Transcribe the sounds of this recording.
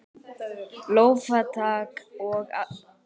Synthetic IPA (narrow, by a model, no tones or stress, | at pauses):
lowfat̪ʰaːkɔɣ